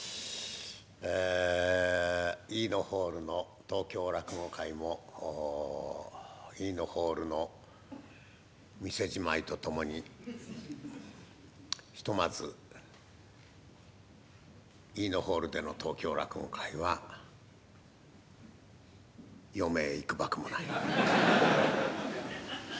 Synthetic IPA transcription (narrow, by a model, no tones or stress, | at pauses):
e | iːno̞ho̞ːɾɯ̟no̞ | t̪o̞ːkʲo̞ːɾakɯŋokʰaimo̞ | iːno̞ho̞ːɾɯ̟no̞ | mʲise̞ʑimait̪o̞t̪o̞mo̞ɲ̟i | çi̥t̪o̞mazɨ | iːno̞ho̞ːɾɯ̟d̪e̞no̞t̪o̞ːkʲo̞ːɾakɯŋo̰kʰaiβa | jo̞me̞ːikɯ̟bakɯ̟mo̞nai